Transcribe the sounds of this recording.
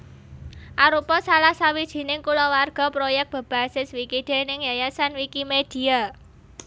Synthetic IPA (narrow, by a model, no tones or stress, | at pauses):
ʔaɾupɔsalahsawid̥ʒ̥i̤nɪŋkulɔwarɡ̥a̤pɾojɛk̚b̥ə̤b̥asɪswikid̪̥e̤nɪŋjajasanwikimed̥i̤a